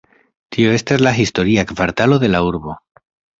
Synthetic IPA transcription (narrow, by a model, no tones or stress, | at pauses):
tʰio̞e̞staslaɦisto̞ɾiakvaɾtalo̞ðe̞lauɾbo̞